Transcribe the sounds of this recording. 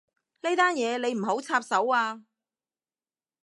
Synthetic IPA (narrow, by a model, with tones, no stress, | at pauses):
ne˥t̪aː˥njɛː˨˧le˨˧jm̩˨˩ɦo˨˥wt͡sʰaː˧p̚sɐ˨˥waː˧